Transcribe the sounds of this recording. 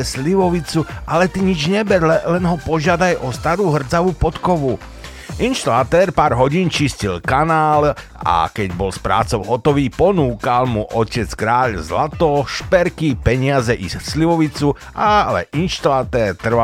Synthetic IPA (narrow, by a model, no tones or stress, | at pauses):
ɛsliʋɔʋit͡suʔalɛt̪iɲid͡ʒɲɛbɛɾlɛlɛnɦɔpɔʒɪad̪ajɔst̪aɾuːɦr̩t͡saʋupɔt̪kɔʋu | ʔinʃt̪ɔlat̪ɛːɾpaːɾɦɔɟiːnt͡ʃiscilkanaːl | a̰kɛɟbɔlspɾa̰ːt͡sɔʊɦɔt̪ɔʋiːpɔnuːkalmuʔɔcɛt͡skɾaːʎzlat̪ɔʃpɛɾkipɛɲɪazɛʔissliʋɔʋit͡su | ʔalɛ̰ʔinʃt̪ɔlat̪ɛːɾt̪r̩ʋa